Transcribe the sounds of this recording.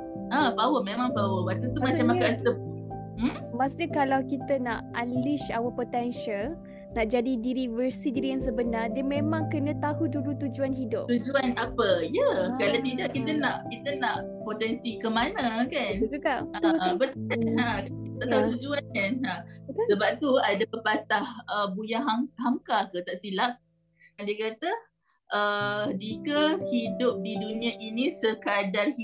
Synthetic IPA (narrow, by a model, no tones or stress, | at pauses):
abawəmẽmãŋbawəmat̪ut̪umat͡ʃamakat̪ə | m | masɲəkalawkit̪ənaʔaliʃawəpot̪ɛnʃal | naʔd͡ʒadidiɾiwəsidiɾijaŋs̬əbənardiəmẽmãŋkənə̃t̪aɦudulut̪ud͡ʒuanɦidʊp̪ud͡ʒuanapəjəkalat̪idaʔkit̪ənaʔkit̪ənaʔ | pot̪ɛnsikəmanãkanaaʔabət̪ɦãkait̪aʔt̪aɦut̪ud͡ʒuankanãsəbap̚t̪uadapəpat̪ahəbujaɦaŋɦaŋkakət̪aʔsilak̚ | andiakat̪ə | ʔəd͡ʒikəhidʊp̚didunĩaʔinĩsəkadarhi